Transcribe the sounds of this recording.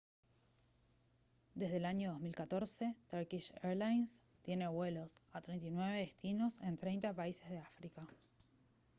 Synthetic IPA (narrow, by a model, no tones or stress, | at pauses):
d̪e̞zðelaɲo̞ð̞o̞zmilkat̪o̞ɾse̞t̪aɾkiʃeɾlajns | t̪je̞ne̞βwe̞lo̞sat̪ɾejnt̪inwe̞βe̞ðest̪ino̞se̞nt̪ɾe̞jnt̪apaise̞zðeafɾika